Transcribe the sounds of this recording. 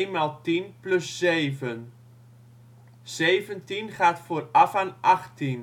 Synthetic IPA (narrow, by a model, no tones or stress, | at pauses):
maːlˠtinplɵsːejvən | z̥ejvəntinχaːtfʊːrɑfaːnʔɑχtin